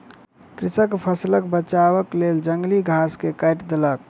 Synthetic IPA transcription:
kɾisəkpʰəsləkbət͡ʃaβəkleld͡ʒəŋɡliɡʱaskekajʈd̪elək

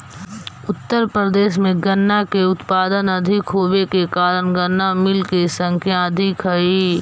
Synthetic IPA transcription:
ʊt̪ːəɾpɾəd̪eːʃmẽɡənːakeʊt̪paːd̪ənɐd̪ʱɪkɦoːbekekaːɾənɡənːamɪlkesə̃ŋkʰjãɐd̪ʱɪkɦəiː

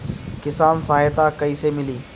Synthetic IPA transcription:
kɪsaːnsaɦajt̪akɐisemɪliː

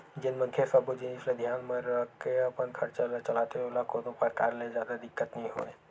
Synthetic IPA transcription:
d͡ʒɪnmə̃ŋkʰesabud͡ʒɪniːslẽd̪ʱjaːnməɾəkeɐpənkʰɐɾt͡ʃat͡ʃɐlaːt̪eolakod̪opəɾkaːɾlezjaːd̪ad̪ɪkːət̪nəɦĩɦo̰ːḛː

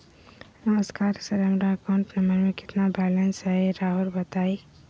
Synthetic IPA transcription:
nɐməskaːɾsɐɾəmɾakãːɳʈnɐmbəɾmẽkɪ̥t̪nabɛːlənsɦɛeɾaːɦʊɾbɐt̪aːi

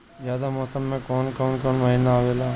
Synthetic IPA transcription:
zaːd̪amɔːsəmːẽkɔːnkɔːnkɔːnmɐɦiːnaoʋeːlaː

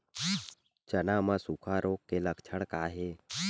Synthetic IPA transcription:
t͡ʃənamãsukʰaɾoːkːeləkt͡ʃʰəɽ̃kaːɦeː

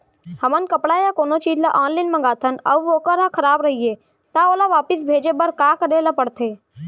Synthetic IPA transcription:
həmənkəpɽajakoːnot͡ʃiːd͡ʒlaʔãːnlinmə̃ŋɡaːt̪ʰənə̰ʋoːkəɾɦãkʰəɾaːbɾɐɦije | t̪aoːlaʋaːpɪsbʱeːd͡ʒebəɾkaːkəɾelapəɽt̪ʰeː

